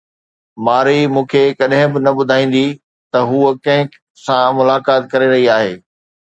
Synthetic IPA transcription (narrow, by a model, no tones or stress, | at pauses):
maːɾimũːkʰekɐɗɦɪ̃bɪnɐbʊd̪ʱaːĩːn̆d̪i | t̪ɐɦuːkɐ̃ɦɪ̃ | sãmʊlaːkaːt̪̚kɐɾeɾɐɦiaːɦeː